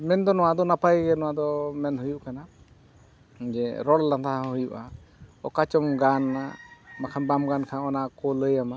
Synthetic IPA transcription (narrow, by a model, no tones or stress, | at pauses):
mɛnd̪ɔnɔwad̪ɔnapajɡɛnɔwad̪ɔmɛnɦujuʔkana | d͡ʒɛɾɔllant̪ʰaɦahujuʔa | ɔ̰kat͡ʃɔmɡanamakʰanbamɡankʰaɔnakɔləjama